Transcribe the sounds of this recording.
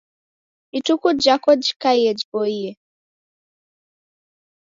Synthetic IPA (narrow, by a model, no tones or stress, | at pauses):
itukud͡ʒakɔd͡ʒikaiɛd͡ʒibɔiɛ